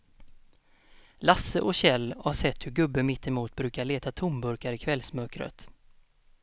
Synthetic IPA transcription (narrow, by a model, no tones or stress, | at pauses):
lasəʔɔɕɛlːhaʂɛt̪ːhɵɾɡɵbːəmɪt̪ːɛmuːt̪̚bɾʉ̟ːkaɭeːt̪at̪ʰʊmbɵɾkaɾɪkʰvɛlsmœkɾə̰t̪